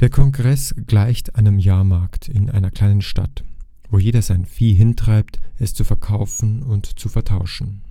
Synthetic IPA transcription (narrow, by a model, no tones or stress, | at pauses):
d̥eːɐkʰɔŋɡʁɛsɡ̥laɪçtʔaɪnəmjaːɐmaɐktʰɪnʔa̰ɪnɐkʰl̥aɪnənʃta̰t | v̥oːjeːdɐzaɪnfiːɦɪntʁ̥aɪp̚tɛst͡sufɛɐkʰaʊfn̩ʊntt͡sufɛɐtʰaʊʃn̩